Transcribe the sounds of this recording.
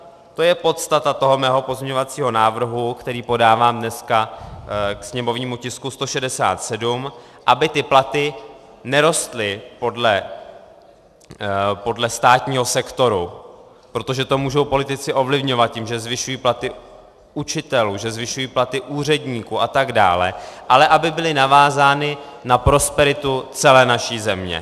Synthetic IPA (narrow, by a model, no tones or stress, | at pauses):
t̪o̞jɛpo̞t̪st̪at̪at̪o̞ɦo̞mɛːɦo̞po̞zmɲɛɲovat͡siːɦo̞naːvr̩ɦukt̪ɛɾiːpo̞daːvaːmdnɛska | ksɲɛmo̞vɲiːmucɪskust̪o̞ʃɛdɛsa̰ːt̪sɛdum | ʔabɪt̪ɪplat̪ɪ | nɛɾo̞st̪lɪpo̞dlɛ | po̞dlɛst̪aːt̪ɲiːɦo̞sɛkt̪o̞ɾu | pɾo̞t̪o̞ʒɛt̪o̞muːʒo̞wpo̞lɪt̪ɪt͡sɪʔo̞vlɪvɲo̞vat̪̚cimʒɛzvɪʃujiːplat̪ɪ | ut͡ʃɪt̪ɛluːʒɛzvɪʃujiːplat̪ɪʔuːrɛdɲiːkuʔat̪aɡda̰ːlɛ̰ʔalɛʔabɪbɪlɪnavaːzaːnɪnapɾo̞spɛɾɪt̪ut͡sɛlɛːnaʃiːzɛmɲɛ̰